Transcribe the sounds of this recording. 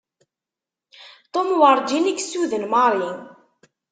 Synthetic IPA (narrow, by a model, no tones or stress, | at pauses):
t̪ˤomwəɾˤd͡ʒiniksuðənmaɾˤiŋ